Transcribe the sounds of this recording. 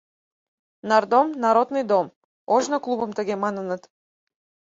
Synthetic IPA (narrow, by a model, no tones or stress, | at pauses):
naɾd̪ɔmnaɾɔd̪nid̪ɔm | ɔʒnaklˠubɔmt̪aɡʲɛmananat̪